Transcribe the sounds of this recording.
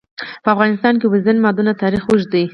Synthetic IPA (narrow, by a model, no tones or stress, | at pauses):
pəafɣɑnɪst̪ɑnk̬ewəzanmɑd̪unat̪ɑɾixwuʒd̪ij